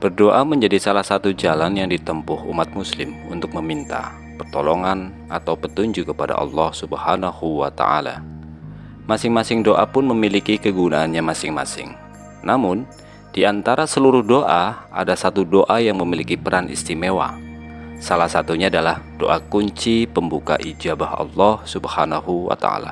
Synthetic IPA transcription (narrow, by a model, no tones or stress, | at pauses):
b̥ərdoʔaməɲd͡ʒadisalahsat̪ud͡ʒalanjaŋdit̪əmpʊhṵmat̪̚muslɪmunt̪ʊk̚məmint̪a̰ | pərt̪olɔŋan | ʔat̪awpət̪uɲd͡ʒukəpada̰ʔɑ̰lːɑhsubhanahuwa̰t̪a̰ʔa̰la̰ | masɪŋmasɪŋdoʔapʊnməmilikikəɡunaːnɲamasɪŋma̰sɪ̰ŋ | namʊn | d̥iant̪aɾasəluɾʊhdoʔaʔa̰dasat̪udoʔajaŋməmilikipəɾanʔḭst̪imewa̰ | salahsat̪uɲaːdalahdo̰ʔakuɲt͡ʃipəmbuka̰ʔid͡ʒabahɑ̰lːɔhsubhanahuwa̰t̪a̰a̰la̰